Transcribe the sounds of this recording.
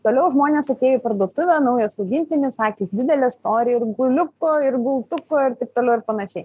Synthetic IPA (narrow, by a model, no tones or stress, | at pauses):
t̪oːlʲɛʊʒmoːnʲeːsɐt̪ʲeːjopɐɾrd̪uɔt̪ʊʋʲɛnɐʊjɛsɐʊɡʲɪnʲt̪ʲɪnʲɪssɑːkʲiːsd̪ʲɪd̪ʲɛlʲɛst̪oːɾʲɪjɛɪɾɡʊlʲʊkoːɪɾɡʊlˠt̪ʊkoːɪɾt̪ɐɪp̚t̪oːlʲɛʊɪɾpɐnɐʃʲɛɪ